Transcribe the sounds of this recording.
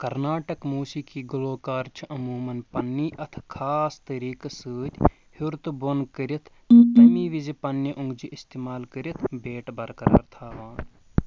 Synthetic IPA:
kɐɾnaːʈɐkmuːsiːkʰiːɡʊloːkaːɾt͡ʃʰʔɐmuːmɐnpɐnːiːʔɐt̪ʰkʰaːst̪ɐɾiːkɐsɨːt̪ʲ | huɾt̪ubonkəɾit̪ʰ | t̪ɐmiːʋizipɐnːiʔʊ̃ŋɡd͡ʒiʔist̪eːmaːlkəɾit̪ʰbeːʈbɐɾkɐɾɐ̰ɾt̪ʰaːʋaːn

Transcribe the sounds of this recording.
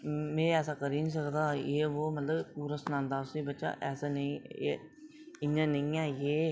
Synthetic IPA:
mẽːɛːsaːkəɾiːnis̬əɾd̪aːjeːʋoːmət̪ləbpuːɾaːsnãːnd̪aːʊsiːbətːʃa̰ʔɛːsaːnəĩːḛ | ɪɲːãːnə̃ĩːaːjeː

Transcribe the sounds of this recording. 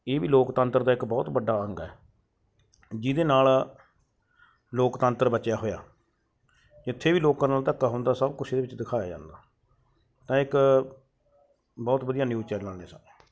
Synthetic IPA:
eːbiːloːkt̪ə̃nt̪əɾd̪aːɪkbɔːt̪bəɖːaːəŋɡɛ̰ː | d͡ʒɪd̪eːnaːl | loːkt̪ənt̪əɾbət͡ʃjaːɦoːja̰ː | d͡ʒɪt̪ʰːeːbiːloːkãːnaːlt̪əkːaːɦʊ̃ːnd̪aːsəbkʊsʰeːd̪eːbɪt͡ʃd̪ɪkʰaːja̰ːd͡ʒã̰ːnd̪aː | t̪ãːɪk | bɔːt̪bəd̪ijaːnjuːt͡ʃɛːlãːneːsã̰ː

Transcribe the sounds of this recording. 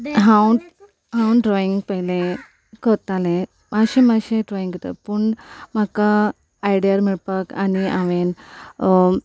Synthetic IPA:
ɦãw | ɦãwɖɾɔiŋɡpəɦilẽ | kəɾt̪alẽ | maɕẽmaɕẽɖɾɔiŋɡət̪ə̰pəɳmakaː | jɽiaɾmiɭpakaniaʋen

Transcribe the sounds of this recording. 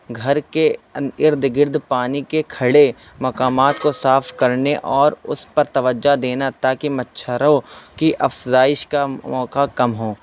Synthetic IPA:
ɡʱɐɾkeɪɾd̪ʱɡɪɾd̪ʱpaːnikekʰɐɽe | mɐkaːmaːt̪kosaːfʰkɐɾneʔɔːɾʊspɐɾt̪ɐʋəd͡ʒːad̪eːnat̪aːkimɐtːʃʰəɾõkiʔɐfzaːɪʃkaɔːkakɐmɦõː

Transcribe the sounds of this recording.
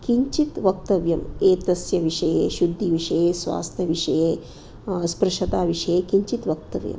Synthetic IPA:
kiɲt͡ʃit̪ʋɐk̚t̪ɐʋjɐmeːt̪ɐsjɐʋiʂɐjḛːʃud̪ʱːiʋiʂɐjeːsʋa̰ːst̪ʰjɐʋiʂɐjeː | spɾɨʂɐt̪aːʋiʂɐjeːkiɲt͡ʃit̪ʋɐk̚t̪ɐʋjɐ̰m

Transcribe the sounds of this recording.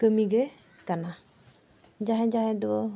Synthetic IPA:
kəmiɡɛ | kana | d͡ʒaɦɛ̃d͡ʒaɦɛ̃d̪ɔɔ

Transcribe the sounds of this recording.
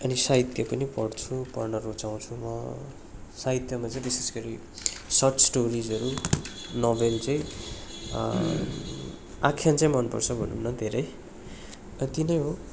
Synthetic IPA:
ʌnisaɦit̪jʌpʌnipʌɽt͡sʰupʌrnʌɾot͡saw̃t͡sʰumʌ | saɦit̪jʌmat͡saĩbise̥sɡʌɾi | sʌʈsʈoɾid͡zʌɾunobelt͡saĩ | akʰjãnt͡saĩmʌnpʌ̰rt͡sʰʌbʱʌ̰nṵnːʌd̪ʱeɾʌj | ʌt̪inʌjɦo

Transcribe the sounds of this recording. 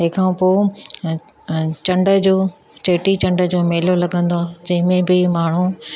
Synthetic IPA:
ɦekʰãːpoː | t͡ɕɐ̃ɳɖə̆d͡ʑoː | t͡ɕeːʈit͡ɕɐ̃ɳɖə̆d͡ʑoːmeːlolɐɡʱə̃nd̪oaːd͡ʑɐ̃ɦɪ̃mẽbɪmaːɳ̤u

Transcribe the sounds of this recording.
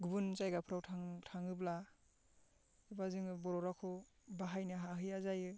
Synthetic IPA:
ɡubunzajɡapʰɯɾawtʰaŋtʰaŋɯbla | ibazɯŋɯbɔɾɔɾakʰɔbaɦajnɯɦaɦɯjazajɯ

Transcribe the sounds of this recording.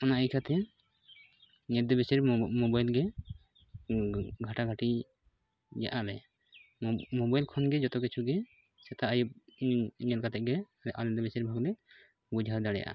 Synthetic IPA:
ɔnaʔikʰat̪ʰɛ | ɲɛt̪̚d̪ɛbɛsɛɾmɔbajlɡɛ | ɡʱaʈaɡʱaʈi | d͡ʒa̰ʔalɛ̰ | mɔbajlkʰɔnɡɛd͡ʒɔt̪ɔkɛt͡ʃʰuɡɛ | sɛt̪ʰaʔajub̚ | ɲɛt̪̚kat̪ɛʔ̚ɡɛ | lɛʔalɛd̪ɛbɛsiɾbʱaɡd̪ɛ | bud͡ʒʱaɾd̪aɽɛja̰ʔa̰

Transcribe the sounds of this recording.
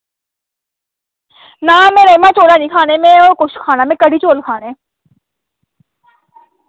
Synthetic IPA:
naːmẽːɾəimãt͡ʃoːlaːnĩːkʰaːnemẽɔːɾkʊʃʰkʰaːnaːmẽːkəɽʱiːt͡ʃoːlkʰaːnẽ

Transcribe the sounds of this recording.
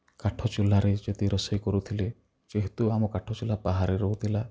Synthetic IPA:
kaʈʰɔt͡ʃilːaɾed͡ʒet̪iɾɔsɔjkɔɾut̪ʰile | t͡ʃeɦit̪uamɔkaʈʰɔt͡ʃilapaɦaɾeɾɔɦut̪ʰila

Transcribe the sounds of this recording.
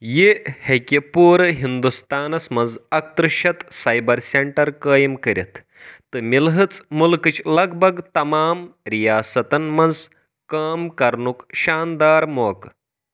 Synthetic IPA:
jehekʲipuːɾɦind̪ust̪aːnɐsmɐnzɐk̚t̪ɾɨʃɐt̪sɐjbɐɾsʲeɳʈɐɾkəːjɐmkɐɾʲḭt̪ʰː | ɨmilɦɨt͡smulkɨt͡ʃlɐɡbʱɐɡt̪ɐmaːmɾijaːsɐt̪ɐnmɐnd͡z | kaːmkɐɾɳukʃaːnd̪aːɾmoːk

